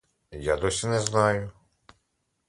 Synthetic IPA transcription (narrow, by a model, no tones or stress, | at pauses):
jad̪ɔsʲinɛznɑjʊ